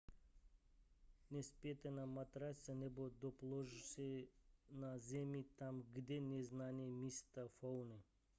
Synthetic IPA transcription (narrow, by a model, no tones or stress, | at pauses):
nʲespʲet̪anamat̪ɾasʲanʲebod̪oplˠoʐsenazʲemʲit̪amɡd̪ʲenʲeznanʲiemʲist̪afownɨ